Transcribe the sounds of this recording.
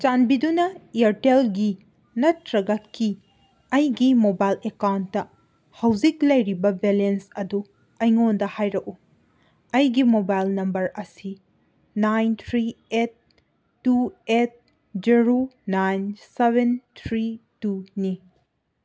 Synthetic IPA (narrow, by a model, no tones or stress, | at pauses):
t͡ʃanbidunɐiɐɾtelɡi | nɐtɾɐɡɐt̚kʰi | ɐjɡimobajlekawntːɐ | hɐwzik̚lɐjɾibɐbelensɐdu | ɐjŋondɐhajɾɐʔu | ɐjɡimobajlnɐmbɐɾɐsi | najnt̪ʰɾiet̚ː | uet̚ | d͡ʒiɾonajnsebentʰɾituni